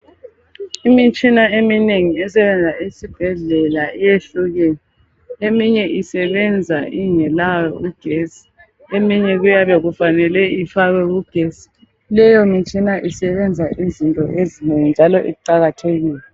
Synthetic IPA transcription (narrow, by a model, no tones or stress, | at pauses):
imit͡ʃʼinaemineŋiɛsɛβɛnd͡zʱaisib̥ʱɛɮɛlaijeɬuɣɛɛ | emiɲɛʔisɛβɛnd͡zʱaʔiŋɛlajɔuɡ̥ʱesi̥ | emiɲɛɣujaβɛɣufanɛlɛifaɣɛɣuɡ̥ʱesi̥ | lɛjɔmit͡ʃʼinaʔisɛβɛnd͡zʱaʔizintʼɔʔezineŋind͡ʒʱalɔʔiǃaɣatʰeɣiːlɛ